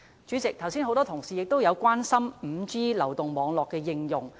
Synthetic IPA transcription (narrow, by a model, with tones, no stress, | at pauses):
t͡ʃy˨˥t͡sɪ˨k̚t̪ʰɐ˨˩wsiː˥nɦo˨˧wt̪ɔː˥t̪ʰʊ˨˩ŋsiː˨jɪ˨k̚t̪o˥wjɐ˨˧wkʷaː˥nsɐ˥mm̩˨˧t͡siː˥lɐ˨˩wt̪ʊ˨ŋmɔː˨˧ŋlɔː˨kːɛː˧jɪ˧ŋjʊ˨˩ŋ